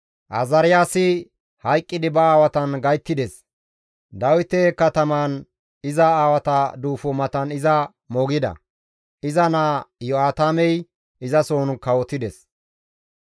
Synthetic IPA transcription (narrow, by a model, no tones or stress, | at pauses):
ʔɐzɐɾɪjaːsɪ | hɐjkʼːɪd̪ɪbɐaːwɐt̪ɐnɡɐjt̪ːɪd̪ɛs | d̪ɐwɪt̪ekɐt̪ɐmaːn | ɪzɐaːwɐt̪ɐd̪uːfɔmɐt̪ɐnɪzɐ | mɔɡɪd̪ɐ̰ | ʔɪzɐnaːjɔaːt̪aːmɛj | ɪzɐsoːnkɐwɔt̪ːɪd̪ɛs